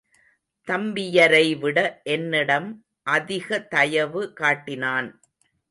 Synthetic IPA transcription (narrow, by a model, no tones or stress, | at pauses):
t̪ɐmbɪjɐɾɐɪʋɪɽɐʔɛnːɪɽɐm | ʔɐðɪɣɐt̪ɐjɐʋɯkaːʈːɪnaːn